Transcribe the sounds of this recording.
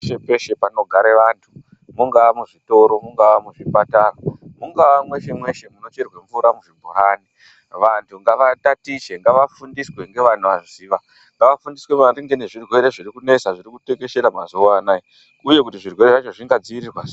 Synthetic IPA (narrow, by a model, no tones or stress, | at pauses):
ʃepe̞ʃe̞pano̞ɡʱaɾeʋantʰu | muŋɡaamuʐito̞ɾo̞muŋɡawamuʐipataramuŋɡaʋamwe̞ʃe̞mwe̞ʃe̞muno̞t͡ʃerwe̞ɱvuɾamuʐibʱuɾaːni | ʋantʰuŋɡaʋatatiʃe̞ŋɡaʋafundiswe̞ŋɡe̞ʋan̤uʋaziːʋa | ŋɡaʋafundiswe̞mariŋɡene̞ʐirwe̞ɾe̞ʐiɾikune̞saʐiɾikuteŋɡe̞ʃeɾamazuanai | uje̞k̬utiʐirwe̞ɾeʐat͡ʃo̞ʐiŋɡad͡ziirirwa